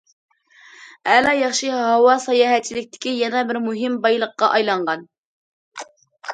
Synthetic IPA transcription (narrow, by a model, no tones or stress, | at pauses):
ɛlɑjɑχʃɨɦɑwɑsɑjɑːɦɛt͡ʃʰːilɪkʲt̪ʰɪ̥kʲijɛnɛbɪɾmuɦɪmbɑjlˠəqːɑʔɑjlˠɑɴʁɑn